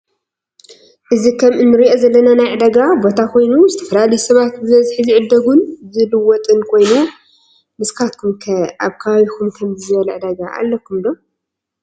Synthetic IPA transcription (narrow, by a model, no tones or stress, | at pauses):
ʔɨzikʰɐmʔɨnːɨɾiʔo̞zɐlːɐnanajʕɨd̪ɐɡabo̞t̪ʰakʰo̞jnuzɨt̪ʰɐ̥fɐlalɐjusɐβat̪̚bɨβɐzħɨziʕɨd̪ːɐɡunzɨlɨwɔt̪ʼɨnkʰo̞jnu | mɨskʰat̪̚kʰumkʰɐaβkʰɐβaβikʰumkʰɐmzɨzɨβɐlʕɨd̪ɐɡaʔa̰lːɐkʰːumd̪o̞